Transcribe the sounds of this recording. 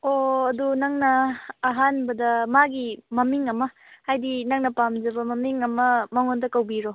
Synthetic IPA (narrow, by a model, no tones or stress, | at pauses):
oɐdunɐŋnɐːɦanbɐdɐmaɡimɐmiŋɐmɐ | hajdinɐŋnɐpamd͡ʒɐbɐmɐmiŋɐmɐmɐŋondɐkɐwbiɾo